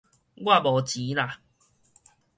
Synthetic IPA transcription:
ɡwa˥˧˨bɔ˨˩t͡ɕi˨˦la˨

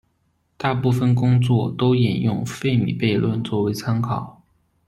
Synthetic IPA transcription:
t̪a˥˧pu˥˩fə˨˩nkʊ˥ŋt͡swɔ˥˩t̪o˥ʊi˨˩njʊ˥˧ŋfe˥˩ɪmḭ˨˩pe˥˧ɪlwə̰˥˧nt͡swɔ˥˩we˧˥ɪt͡sʰa˥nkʰɑ˨˩˦ʊ

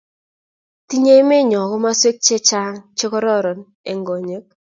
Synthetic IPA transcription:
ti˦ɲe˦jme˦ɲɔ˨kɔ˦ma˦swe˦k̚t͡ʃe˦t͡ʃa˦ŋt͡ʃɪ˦kɔ˦ɾɔ˦ɾɔ˨n | ɛ˨ŋɡo˨ɲe˨˦k̚

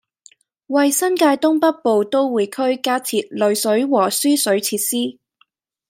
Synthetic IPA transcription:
wɐ˨jsɐ˥nkaː˧jt̪ʊ˥ŋpɐ˥t̚po˨˧wt̪o˥wwuː˨˧jkʰɵ˥ɥkaː˥t͡sʰiː˨t̚lɵ˨˥ɥsɵ˨˥ɥwɔː˨˩syː˥sɵ˨˥ɥt͡sʰiː˧t̚siː˥

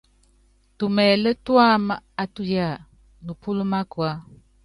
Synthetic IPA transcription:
tu˨mɛ˨lə˦tu˦a˦mə˨a˨tu˦ja˦˨ | nu˨pu˦lu˦ma˦kwa˦

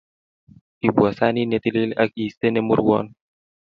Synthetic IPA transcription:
i˨bu˨a˨sa˦ni˦ne˨t̪i˦li˦la̰˦ki˨st̪e˦nɛ˦mṵ˦ɾwɔ̰˦n

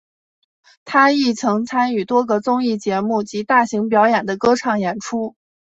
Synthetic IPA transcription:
t̪ʰa˥i˥˩t͡sʰɤ˧˥ŋt͡sʰa˥ny˨˩t̪wɔ˥ɡə˧t͡sʊ˥ŋi˥˩t͡ɕjɛ˧˥mu˥˩t͡ɕi˧˥t̪a˥˩ɕi˧˥ŋpjɑ˧˥ʊjɛ˨˩nd̪ə˦kɤ˥ʈ͡ʂʰɑ˥˩ŋjɛ˨˩nʈ͡ʂʰu˥

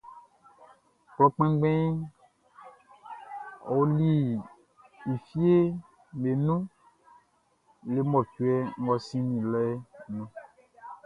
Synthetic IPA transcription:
k͡plɔ˦k͡pɛ̃˦ɡ͡bɛ̃˦ | ɔ˨wli˦ | i˨fi˦e˦ | me˨nũ˦ | le˨mɔ˨t͡ʃu˦ɛ˦ŋ̩˦ɡɔ˦sĩ˦nĩ˨lɔ˦ɛ˦nũ˦

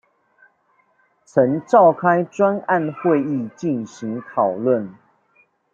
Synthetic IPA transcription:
t͡sʰə˨˦ŋʈ͡ʂɑ˥˨ʊkʰa˦ɪʈ͡ʂwa˦na˥˨nxwe˥˧ɪi˥˨t͡ɕi˥˨nɕi˨˦ŋt̪ʰɑ˨˩ʊlwə˥˨n

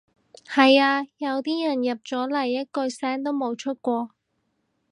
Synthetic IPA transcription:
hɐ˨jaː˧jɐ˨˧wt̪iː˥jɐ˨˩njɐ˨p̚t͡sɔː˨˥lɐ˨˩jːɐ˥t̚kɵ˧ɥsɛː˥ŋt̪o˥wmo˨˧wt͡ʃʰɵ˥t̚kʷɔː˧

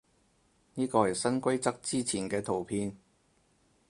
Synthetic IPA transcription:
niː˥kɔː˧hɐ˨jsɐ˥nkʷɐ˥jt͡sɐ˥k̚t͡siː˥t͡sʰiː˨˩nkɛː˧t̪ʰo˨˩wpʰiː˧n

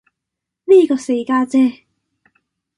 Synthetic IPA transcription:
liː˥kɔː˧se˨˧jkaː˧t͡sɛː˥˧

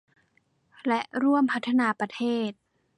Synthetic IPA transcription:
lɛ˦˥ʔɾu˥˩əmpʰa˦˥t̪ʰːa˧naː˨˦pɾa˧t̪ʰeː˥˩t̪̚

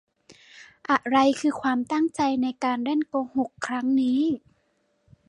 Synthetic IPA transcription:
ʔa˧˩ʔɾa˧jkʰɯː˧kʰwaː˧mt̪a˥˩ŋt͡ɕa˧jna˧jkaː˧nɾɛ˥˩˨nkoː˧ho˨˩kʰːɾa˦˥ŋniː˦˥

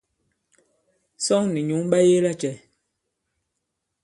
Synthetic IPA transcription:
sɔ˦ŋni˨ɲu˨˦ŋɓa˦je˦la˦˨t͡ʃɛ˨

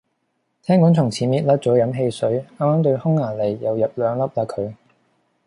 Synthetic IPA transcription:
t̪ʰɛː˥ŋkɔː˨˥ŋt͡sʰʊ˨˩ŋt͡sʰiː˨˥miː˨t̚lɐ˥t̚t͡sɔː˨˥jɐ˨˧˥mɦe˧jsɵ˨˥ɥaː˥maː˥ŋt̪ɵ˧ɥhʊ˥ŋːaː˨˩le˨˩jːɐ˨wjɐ˨p̚lœː˨˧ŋlɐ˥p̚laː˧kʰɵ˨˧ɥ

